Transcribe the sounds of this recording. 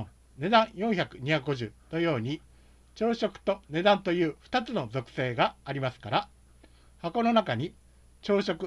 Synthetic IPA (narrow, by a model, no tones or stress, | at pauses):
ne̞d̪ãɰ̃jõ̞ɰ̃çakɯ̟ɲ̟içakɯ̟ɡo̞ʑɨ̰ːno̞jo̞ːɲ̟i | t͡ɕo̞ːɕo̞kɯ̟̥t̪o̞ne̞d̪ãnt̪o̞jɯ̟ːɸɯ̥t̪at͡sɨno̞zo̞kɯ̥se̞ːɡaːɾʲimasɨ̥kaɾa | hako̞no̞nakaɲ̟i | t͡ɕo̞ːɕo̞kɯ̟